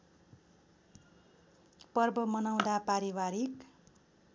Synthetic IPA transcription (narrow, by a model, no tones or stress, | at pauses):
pʌrbʌmʌnaw̃d̪apaɾiwaɾik